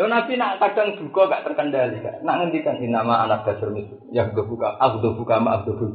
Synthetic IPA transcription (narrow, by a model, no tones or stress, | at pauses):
jonapinaʔk̪adaŋd̪̥ukɔɡaʔt̪ərkəndalika̰ʔnaʔŋənd̪ikaninamaanak̚d̥asərmisu | jaɦud̪obukaʔaɦud̪ɔbukamaʔaɦud̪ɔbu